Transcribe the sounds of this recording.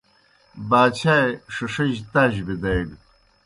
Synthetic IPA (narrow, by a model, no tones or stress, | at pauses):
baːt͡ɕʰaːjʂɐʂɐʑt̪aːʑbid̪ajɽ